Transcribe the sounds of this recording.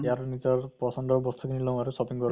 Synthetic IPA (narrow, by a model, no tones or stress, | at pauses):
jaɾnit̪ɔɾpɔsɔnd̪ɔɾbɔst̪ʰukinilɔ̃w̃aɾusɔpiŋɡɔɾ